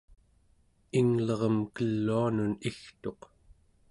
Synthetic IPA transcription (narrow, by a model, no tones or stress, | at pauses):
iŋlʌʁʌmkəlːuanunixt̪o̞q